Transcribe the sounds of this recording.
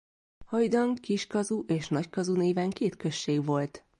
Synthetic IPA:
hɒjd̪ɒŋkiʃkɒzuʔeːʃnɒckɒzuneːvɛŋkeːt̪kø̞ʃːeːɡʋo̞lt̪

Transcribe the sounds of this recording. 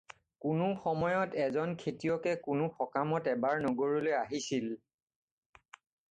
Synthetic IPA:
kʊnʊxɔmɔjɔtɛzɔnkʰetijɔkɛkʊnʊxɔkamɔtɛbaɹnoɡoɹilojaɦisil

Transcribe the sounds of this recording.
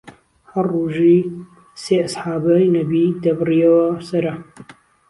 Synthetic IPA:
hɐrːuːʒiː | seːɐsħaːbɐjnɐbid̪ɐbɨrijɐwɐsɐɾɐ

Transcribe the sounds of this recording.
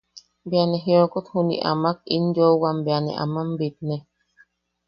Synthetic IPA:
bianɛɦiɔkot̪hunḭʔa̰mak̚ḭnd͡ʒɔwambianɛ̰ʔa̰mambet̪̚nɛ

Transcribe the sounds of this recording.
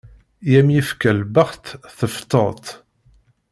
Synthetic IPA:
jæmjifkælbəʁt̪θəft̪ːə̰ʁt̪

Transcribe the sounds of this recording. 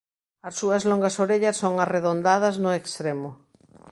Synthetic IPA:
ɐsːuɐzloŋɡasoɾeʎasːoŋareðond̪að̞ɐznʊekst̪ɾemʊ

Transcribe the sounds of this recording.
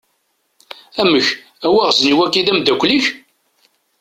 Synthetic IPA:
æməç | æwæʁzniwækːiðæmd̪ækʷːliç

